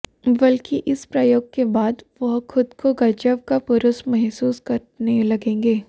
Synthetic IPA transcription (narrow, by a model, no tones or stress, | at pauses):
bɐlkiʔɪspɾɐjoːɡ̚kebaːd̪ʋɐɦxʊd̪kʰoɡɐd͡ʒəʋkapʊɾʊsmɛɦsuːskɐɾ | nelɐɡẽːŋɡeː